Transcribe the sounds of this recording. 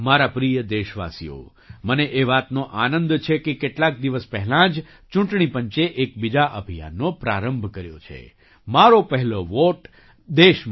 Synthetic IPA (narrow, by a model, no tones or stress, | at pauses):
maɾapɾijəd̪eʃʋa̰sḭjo̰ | məneʔeʋat̪noʔanənd̪t͡ʃʰekekeʈlak̚d̪iʋəspɛɦɛlãd͡ʒ | t͡ʃũɳʈɳipəɲt͡ʃeʔekbid͡ʒaʔəbʱija̰nːopɾa̰ɾəmbʱkəɾjo̰t͡ʃʰḛ | maɾopəɦɛloʋoʈ | d̪eʃm